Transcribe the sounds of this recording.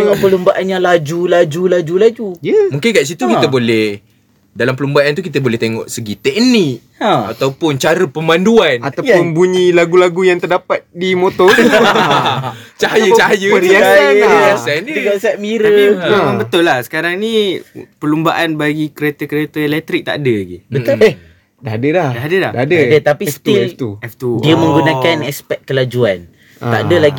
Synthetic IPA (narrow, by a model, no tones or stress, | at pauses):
d̪əŋaʔpəlumbaʔanjalad͡ʒulad͡ʒulad͡ʒulad͡ʒujəmuŋkɪnkaʔs̬it̪ukit̪əbolɛh | dalampəlumbaʔant̪ukit̪əbolɛht̪eŋɔ̰̃ʔsəɡit̪ɛk̚nik | at̪awpʊnt͡ʃaɾəpəmãnduanat̪awʊnbuɲilaɡulaɡujaŋt̪ərdapat̪̚dimot̪ɔr | t͡ʃajət͡ʃajəiaaaasankɔnsɛt̪̚miɾəanbət̪ʊlːahsə̥kaɾaŋnipəlumbaʔanbaɡikəɾet̪akəɾet̪əelɛk̚t̪ɾɪk̚t̪a̰dəɡibət̪ʊ | daɦadəlahdaɦadəladaadadat̪apist̪iɛt̪uɛft̪udiamə̃ŋɡunakanɛspɛʔ̚kːəlad͡ʒuan | t̪a̰dəlaɡi